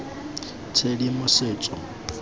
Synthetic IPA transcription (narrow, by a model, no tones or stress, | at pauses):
t͡sʰedimʊseːt͡sʼɔ